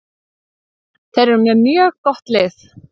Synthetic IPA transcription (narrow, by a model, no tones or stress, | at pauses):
θʰɛɾɛɾmjɛmjœːɣkɔht̪lɪθ